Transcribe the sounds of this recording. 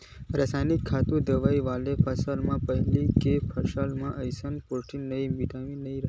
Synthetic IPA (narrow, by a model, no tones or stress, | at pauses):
ɾasajnikʰːat̪ũd̪əʋaiʋalepʰəsalmãpəɦɛlikepʰəɾʃalmãʔəjsənpoʈʰinəimiʈaʋĩnəĩɾə